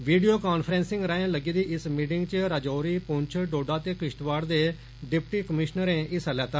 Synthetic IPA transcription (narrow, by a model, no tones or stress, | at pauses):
ʋiːɖioːkaːnpʰɾɛ̃ːnsɪ̃ŋɡɾaːẽːləɡiːd̪iːʔɪsmiːʈɪ̃ŋɡt͡ʃəɾad͡ʒoːɾiːpʊɲt͡ʃʰɖoːɖaːt̪eːkɪʃʈʋaːɽd̪eː | ɖɪpʰʈiːkəmɪʃnəɾẽːʔɪsəlɛːt̪aː